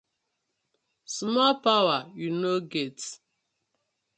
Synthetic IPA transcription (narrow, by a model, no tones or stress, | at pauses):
smɔlpawajunoɡet